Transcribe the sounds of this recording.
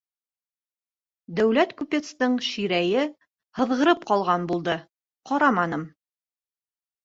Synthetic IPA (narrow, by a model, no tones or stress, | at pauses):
d̪æwlæt̪kupʲet̪st̪ɤɴʃiɾæjɘ | hɤ̆ðʁɤ̆ɾɤp̚qɑlˠʁɑnbulˠd̪ɤ | qɑɾɑmɑnɤm